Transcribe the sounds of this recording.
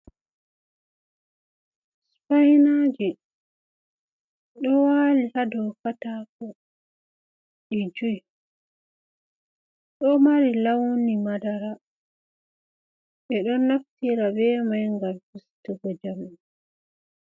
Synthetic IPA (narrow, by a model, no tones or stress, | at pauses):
spajnad͡ʒi | ɗɔwalihadɔwkataːkɔ | ʔɛd͡ʒuj | ɗɔmaɾilawnimadaɾa | ɓɛɗɔnːaftiɾabɛmajŋɡaɾfistuɡɔd͡ʒami